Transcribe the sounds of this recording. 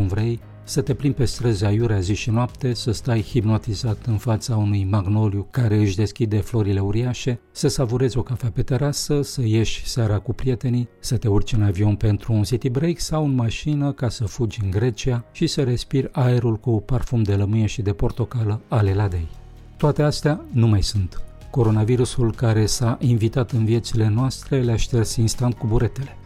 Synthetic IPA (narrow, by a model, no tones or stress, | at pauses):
unvɾej | sət̪e̞plinpe̞st̪ɾəzeajuɾeaziʃinoap̚t̪e̞səst̪ajhipno̞t̪izat̪ɨnfat̪saunujmaɡno̞ljukaɾe̞ɨʃʲd̪e̞skʲid̪e̞flo̞ɾile̞uɾiaʃe̞ | səsavuɾe̞zʲo̞kafeape̞t̪e̞ɾasəsəje̞ʃʲseaɾakupɾie̞t̪e̞nisət̪e̞urt͡ʃɨnavio̞npe̞nt̪ɾuːnsit̪ibɾejksawɨnmaʃinəkasəfud͡ʒʲɨŋɡɾe̞t͡ʃiaʃisəɾe̞spirʲae̞ɾulkuparfumd̪e̞ləmɨjeʃid̪e̞po̞rt̪o̞kaləale̞lad̪e̞j | t̪oat̪e̞ast̪eanumajsunt̪ | ko̞ɾo̞naviɾusulkaɾe̞saʔinvit̪at̪ɨnvije̞t̪sile̞noast̪ɾe̞leaʃt̪e̞rsʲinst̪ant̪̚kubuɾe̞t̪e̞le̞